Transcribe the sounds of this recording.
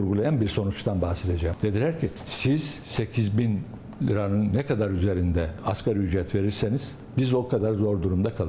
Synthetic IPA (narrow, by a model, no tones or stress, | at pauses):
uɾɡulˠajanbiɾso̞nut͡ʃt̪ʰanbahse̞d̪e̞d͡ʒɛjmd̪̥e̞d̪ilʲæɾcʰisiz̥se̞cʰizbin | ɾanɯnːɛkʰad̪aɾyze̞ɾind̪ɛaskʰaɾyd͡ʒɾɛt̪ve̞ɾiɾseniz̥ | bizokʰad̪aɾzo̞ɾd̪uɾumd̪akʰalˠɯ